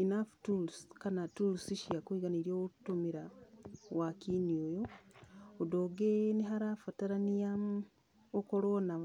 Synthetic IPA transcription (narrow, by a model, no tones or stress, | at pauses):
inaftulskanatulsiʃiakwiɡaniɾioutomiɾawakiniojo | odoɡeniɦaɾafataɾanijam | okoɾona